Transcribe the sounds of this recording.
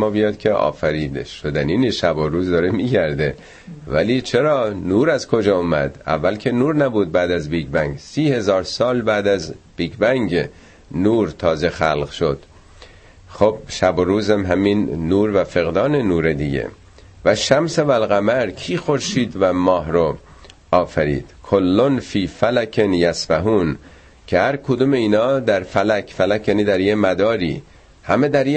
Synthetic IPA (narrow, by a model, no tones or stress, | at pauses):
mɒːbijɒːd̪̥̚kʰeɒ̰ːfæɾiːd̪eʃod̪æniːneʃæboɾuːzd̪ɒːɾemiːɟæɾd̪e | væ̰liːt͡ʃʰe̞ɾɒːnuːɾæzkʰod͡ʒɒːomæ̰d̪æ̰vːælcʰe̞nuːɾnæbuːd̪̚bæːd̪æzbiːɡbæŋɡsiːhe̞zɒːɾsɒːlbæːd̪æzb̥iːkʰbæŋɟ | nuːɾt̪ʰɒːze̞xælʁʃod̪̥ | χob̥̚ʃæboɾuːzæmɦæminːuːɾvæfe̞ɣd̪ɒːnenuːɾed̪iɟḛ | væʃæmsevælɣæmæɾkʰiːxoɾʃiːd̪væmɒːɦɾo | ɒːfæɾḭːd̪̥kʰolːonfiːfælækʰenjæsbæɦuːn | cʰehæɾkʰod̪uːmeiːnɒːd̪æɾfælækʰfælæcʰjæːniːd̪æɾjemæd̪ɒːɾiː | hæmed̪æɾje